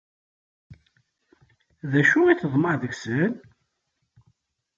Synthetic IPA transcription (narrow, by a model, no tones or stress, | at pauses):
ðæʃuiθəðˤməɾðəɣsən